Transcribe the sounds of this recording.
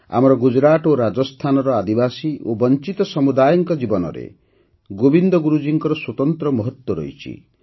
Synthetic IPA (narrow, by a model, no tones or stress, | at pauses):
a̰mɔɾɔɡud͡ʒɾat̪oɾad͡ʒɔst̪ʰanɔɾɔad̪ibasiobɔnt͡ʃit̪ɔsɔmud̪ajɔŋkɔd͡ʒibɔnɔ̰ɾḛ | ɡobind̪ɔɡuɾud͡ʒiŋkɔɾɔswɔt̪ɔnt̪ɾɔmɔɦɔt̪wɔɾɔ̰it͡ʃʰḭ